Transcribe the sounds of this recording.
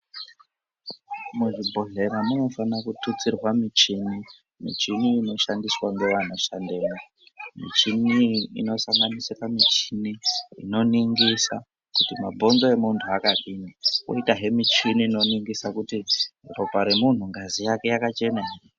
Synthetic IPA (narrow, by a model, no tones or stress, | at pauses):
muʐibʱo̞ɮe̞ɾanonofanakutut͡sirwamit͡ʃini | mḭt͡ʃiniːno̞ʃandiswaŋɡe̞wanaʃandeːma | mḭt͡ʃiniḭno̞saŋɡanisiramit͡ʃiniḭno̞niŋɡisa̰ | kutima̰bʱo̞nzo̞e̞muntʰuakaɗinawo̰itaɦe̞mit͡ʃiniːno̞niŋɡisakutiro̞paɾe̞mun̤uŋɡazijake̞jakat͡ʃe̞naire